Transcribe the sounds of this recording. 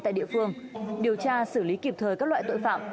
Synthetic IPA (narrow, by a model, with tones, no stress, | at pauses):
a̰ː˧˨ɗḭ˧˨əfɨ˧əŋɗi˨˩əwt͡ɕaː˧sɨ˧˩li˨˦ki˨˩p̚t̪ʰəː˨˩jkaː˦˥k̚lwaː˧˨t̪o̰˧˨jfa̰ː˧˨m